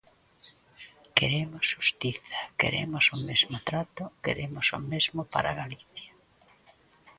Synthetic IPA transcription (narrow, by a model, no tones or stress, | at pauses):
keɾemʊsʃust̪iθḁkḛɾḛmʊsomezmʊt̪ɾat̪ʊkḛɾemosʊ̰mezmopa̰ɾa̰ɣaliθja